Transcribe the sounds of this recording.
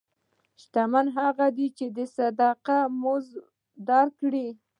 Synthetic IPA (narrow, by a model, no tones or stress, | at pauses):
ʃt̪amanɦaɣad̪it͡ʃed̪əsad̪ɑqamʊz | d̪ɑɾkɽi